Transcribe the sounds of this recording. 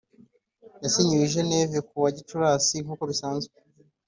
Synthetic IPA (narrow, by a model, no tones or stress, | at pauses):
jasiɲuwiʒe̞neːvekuβaɟit͡ʃuɾaːsiŋuko̞βisaːnzwe